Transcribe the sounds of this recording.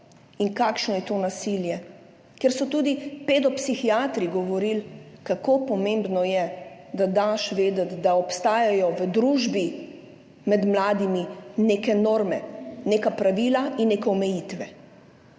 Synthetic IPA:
iŋkaːkʃnɔjɛt̪onasiljɛ | kɛɾsɔt̪uːd̪iped̪ɔpsixiaːt̪ɾiɡɔʋɔɾilkakopɔmẽmbnɔjɛd̪ad̪aʃʋeːd̪ət̪d̪aɔpst̪aːjajɔʋəd̪ɾuʒbi | mɛd̪mlaːd̪iminekɛnoːɾmɛneːkapɾaʋiːlainːekɛɔmɛjit̪ʋɛ

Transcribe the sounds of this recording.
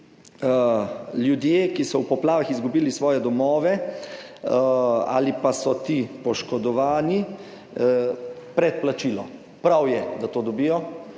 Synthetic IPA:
ljud̪jeːkisɔwpɔplaːʋaxizɡubiːlisʋɔːjɛd̪ɔmɔːʋɛ | a̰ːlipasɔt̪ipɔʃkɔd̪ɔʋaːni | pɾɛt̪̚plat͡ʃilɔ | pɾawjɛd̪at̪oːd̪ɔbiːjɔ

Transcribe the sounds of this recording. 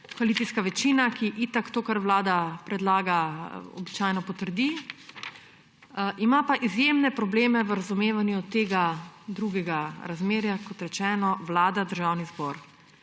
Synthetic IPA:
kʋalit̪iskaʋɛt͡ʃiːnakiʔit̪akt̪oːkaɾʋlaːd̪apɾɛd̪laːɡaɔ̰bit͡ʃaːjnɔpɔt̪əɾd̪i | ʔimapaʔizjemnɛpɾɔbleːmɛʋəɾazumeːʋanjut̪eːɡad̪ɾuɡɛɡaɾazmeːɾjakɔt̪ɾɛt͡ʃɛːnɔʋlaːd̪ad̪əɾʒawnizbɔɾ

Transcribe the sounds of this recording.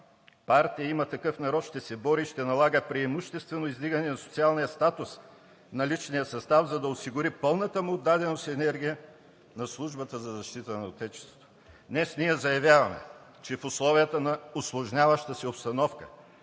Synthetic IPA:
paɾt̪ijəimɐt̪ɐkɤfnɐɾɔt̪ʃt̪ɛsɛbɔɾiʃt̪ɛnɐlˠaɡəpɾiɛmuʃt̪ɛst̪vɛnoizd̪iɡənɛnɐsʊ̥t̪sialˠnijəst̪at̪ʊs | nɐlit͡ʃnijəsɐst̪avzɐd̪ɐosiɡʊɾipɤlˠnət̪əmʊːd̪ːad̪ɛnosɛnɛɾɡʲijə | nɐslˠuʒbət̪əzɐzɐʃt̪it̪ənɐot̪ɛt͡ʃɛ̥st̪vo̥t̪o̥ | d̪nɛsniɛzɐjɐvʲjavɐmɛ̰t͡ʃɛfʊslˠɔvijət̪ənɐʊslˠʊʒnʲavɐʃt̪əsiopst̪ɐnɔfkə

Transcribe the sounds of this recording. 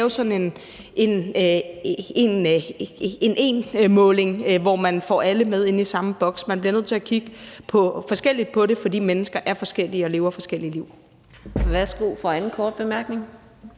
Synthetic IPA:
ʊsɒ̽n̩e̝n | ʔe̝n | e̝n | e̝ne̝ːnmɔ̽ːle̝ŋʋɒmænfɒ̰ːæləmeð̞ˠe̝nisɑ̈məb̥ɒ̽ɡ̥smænb̥liɐnøð̰ˠt͡sʰe̝ækʰiɡ̥əpʰɒ̽fɒ̽sɡ̥el̰id̥̚pʰɒ̽ɾe̝fɒ̽d̥ḭːmenəsɡ̥ɐʔæɐfɒ̽sɡ̥el̰iɒ̽le̝ːʊɐfɒ̽sɡ̥el̰iliʊ̰ | ʋæsɡ̥o̝̰fɒænn̩kʰɒːd̥̚b̥e̝mæɐɡ̥ne̝ŋ

